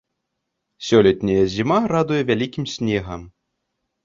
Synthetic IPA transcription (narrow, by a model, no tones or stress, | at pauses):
sʲɔlʲɛt̪ʲnʲɐjɐzʲimarad̪ujɛvʲalʲikʲimsʲnʲɛɣɐm